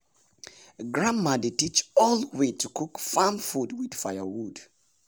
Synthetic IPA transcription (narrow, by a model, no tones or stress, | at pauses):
ɡɹãmːaditit͡ʃɔlˠwetʰukʰukfamfudwið̥faɪjəwud̥